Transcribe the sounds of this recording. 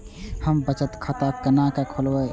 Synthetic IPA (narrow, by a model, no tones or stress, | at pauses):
həmbət͡ʃət̪kʰat̪akənakakʰolwə